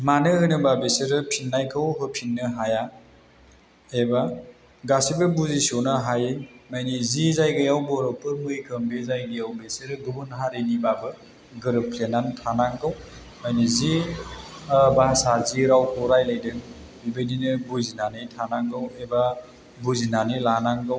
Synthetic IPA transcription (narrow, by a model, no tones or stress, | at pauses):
manɯhɯnɯbabeseɾɯpʰinːajkʰɯwɦɯpʰinːɯɦaja | eba | ɡasibɯbuzisonaɦajmajnizizajɡɯjawbɔɾɔpɯɾmɯjkʰɯmbezajɡɯjawbeseɾɯbɯbɯnɦaɾenibabɯ | ɡɯɾɯpʰlenantʰanaŋɡɯw | majnizi | baasaziɾawkʰɔɾajlajdɯŋ | bibejninɯbuzinanɯjtʰanaŋɡɯweba | buzinanilanaŋɡɯw